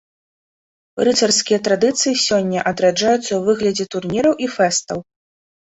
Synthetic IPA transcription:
rɨsɐrskʲijɐt̪ɾad̪ɨt̪sɨjisʲɔnʲːɐʔɐd̪ɾad͡ʐajut̪sːɐwvɨɣlʲɐd͡zʲɛt̪urnʲiɾɐwʔifɛst̪ɐw

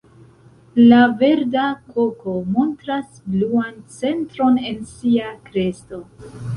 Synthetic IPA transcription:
lave̞ɾdakoko̞mo̞ntɾasbluant͡se̞ntɾo̞ne̞nsiakɾe̞sto̞

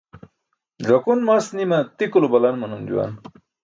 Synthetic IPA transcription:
d͡ʑɐkunmasnimɐt̪ikulobɐlɐnmɐnumd͡ʑṵwa̰n

